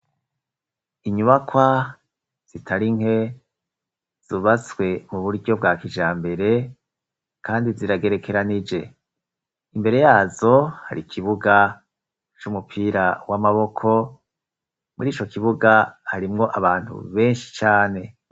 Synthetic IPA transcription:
iɲuβakwa | z̥itʰaɾiŋɦe̞ | z̥uβaswe̞muβuɾɟo̞b̚ɡaːkiʒaːmbe̞ɾe̞ | kaːndiziɾaɡe̞ɾe̞kʰe̞ɾanid͡ʒe̞ | imbe̞ɾe̞jaːzo̞ha̰ɾikʰiβuɡa | t͡ʃumupʰiːɾawamaβo̞kʰo̞ | muɾiːt͡ʃo̞kiβuɡahaɾimŋo̞ʔaβaːnthṵβe̞ːnʃi̥t͡ʃaːne̞

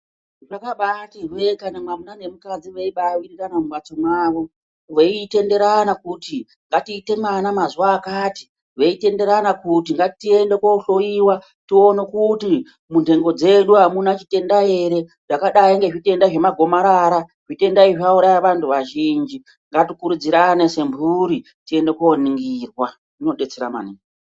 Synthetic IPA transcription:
ʐakaɓatirwekanamwamunane̞mukad͡ziʋeiɓawiɾikanamuɓwat͡somwaːʋo̞ | ʋeite̞nde̞ɾanakuti | ŋɡatiːte̞manamazuwaːkaːti̥ | ʐeite̞nde̞ɾanakutiŋɡatitie̞ndekwouɬo̞jiwa | tio̞nekuti | munde̞ŋɡo̞d͡ze̞ɗuɦamunat͡ʃite̞ndaje̞ɾe̞ | ʐ̥akaɗaiŋɡe̞ʐite̞ndaʐe̞maɡʱo̞maɾaɾa | ʐ̥ite̞ndaiʐauɾajaʋantʰuʋaʒind͡ʒi | ŋɡatikuɾud͡ziɾane̞se̞mbuɾi | tie̞nde̞kwooniŋɡiːrwa | ino̞ɗe̞t͡seɾama̰niːŋŋ

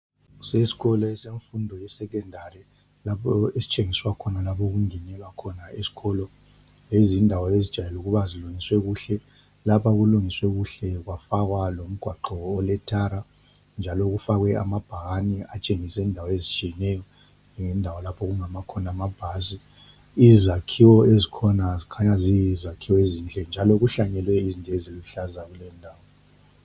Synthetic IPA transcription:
sesi̥ɣɔlɔɛseɱfundʱɔjɛsɛkɛndʱarɛ | lapʰɔesi̥t͡ʃʼeŋiswakʰɔnalapʰɔɣuŋɛnɛlwakʰɔnaesi̥ɣɔlɔ | lezindʱawɔezi̥ʒ̥ʱajɛluɣuβaziluŋiswɛɣuɬɛ | lapʰaɣuluŋiswɛɣuɬɛɣwafaɣwalom̩ɡ̥ʱwaǃɔɔlɛtʰaɾa | nd͡ʒʱalɔɣufaɣwɛa̰mab̥ʱaɣaniat͡ʃʼeŋisɛindʱawɔezit͡ʃʼijɛnɛjɔ | ŋɛndʱawɔlapʰɔɣuŋamakʰɔnamab̥ʱasi | izakʰiwɔezikʰɔnazikʰaɲazizakʰiwɔezint͡ɬʼɛnd͡ʒʱalɔɣuɬaɲɛlwɛizintʼeziluɬazaɣulɛndʱaːwɔ

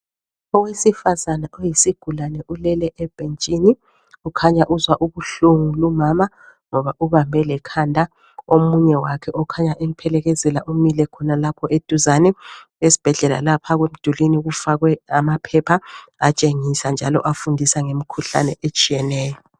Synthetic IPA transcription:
ɔwesifazanaʔojisiɡ̥ʱulanɛʔulɛlɛʔɛb̥ʱent͡ʃʼini | ukʰaɲaʔuzwaʔuβuɬuŋulumama | ŋɔβaʔuβambʱɛlɛkʰandʱa | omuɲɛwakʰɛʔɔkʰaɲaʔim̩pʰɛlɛɣɛzɛlaʔumilɛkʰɔnalapʰɔʔed̥ʱuzanɛesi̥b̥ʱɛɮɛla̰lapʰaɣwem̩d̥ʱuliniɣufaɣwɛamapʰɛpʰaat͡ʃʼeŋisand͡ʒʱalɔ̰ʔafundʱisaŋemikʰuɬa̰nɛʔet͡ʃʼijɛnɛːjɔ

